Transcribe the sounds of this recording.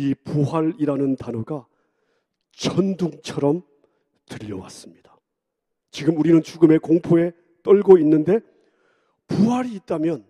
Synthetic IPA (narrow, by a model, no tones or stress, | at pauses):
ipuɦaɾiɾanɯntanoɡa | t͡ɕʌnduŋt͡ɕʰʌɾʌm | tɯʎːʌwa̰s͈ɯmɲid̥ḁ | t͡ɕiɡɯmuɾinɯnt͡ɕuɡɯme̞koŋpʰoe̞ | t͈ʌɭɡoinːɯnde̞ | puɦaɾiːt̚t͈amjʌn